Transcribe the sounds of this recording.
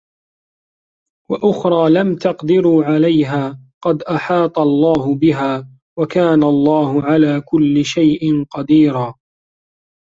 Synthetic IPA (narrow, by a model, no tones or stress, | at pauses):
waʔʊxɾˤɑːlamt̪ɑqd̪ɪɾuːʕalajɦaːqɑd̪ʔaħɑːt̪ˤɑlˤːɑːɦʊbɪɦaː | wakaːnalˤːɑːhʊʕalaːkʊlːɪʃajʔɪnqɑd̪iːɾaː